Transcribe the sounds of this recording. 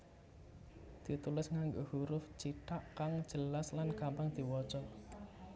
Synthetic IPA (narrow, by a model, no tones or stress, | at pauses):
d̪̥i̤t̪ulɪsŋaŋɡohuɾʊft͡ʃiʈaʔkaŋ̥ʒ̥ə̤laslankampaŋd̪̥i̤wɔd̥ʒ̥ɔ